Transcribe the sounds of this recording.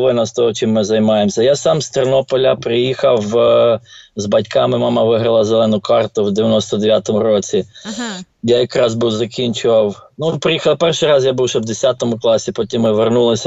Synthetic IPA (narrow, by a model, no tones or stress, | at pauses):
ʋɪnɐst̪ɔɦɔt͡ʃɪmːɪzɐjmɑjemsʲɐjasɑmst̪eɾnɔpɔlʲɐpɾɪjixɐw | zbɐtʲkʰɑmɪmɑmɑʋɪɦɾɐlˠɐzelˠɛnʊkɑrt̪ʊwd̪eʋʲjɐnɔst̪ɔd̪eʋʲjat̪ɔmʊɾɔt͡sʲi | jajɐkɾɑzbuwzɐkʲinʲt͡ʃʊʋɐwnupɾɪjixɐlˠpɛrʃɪjɾɑzjabuwʃɛwd̪esʲat̪ɔmʊklˠɑsʲipɔtʲimːɪʋernulˠɪsʲɐ